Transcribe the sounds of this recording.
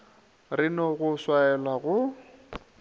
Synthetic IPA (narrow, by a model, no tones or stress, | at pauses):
rɪnɔɣʊswaɛlwaɣʊ